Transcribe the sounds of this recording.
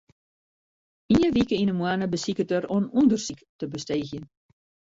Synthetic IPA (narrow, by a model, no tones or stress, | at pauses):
iəʋikəinəmwanəbəsikət̚øɾɔənundərsiktəbəsteːxjən